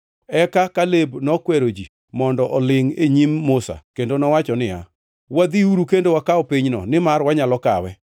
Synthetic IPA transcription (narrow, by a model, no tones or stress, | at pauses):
ɛkakalebnɔkwɛɾod͡ʒi | mɔndɔʔɔlɪŋeɲimːʊsa̰kendonɔwat͡ʃɔnɪa̰ | wad̪iuɾukendowakaɔpiɲnɔ̰nɪmarwaɲalɔkawɛ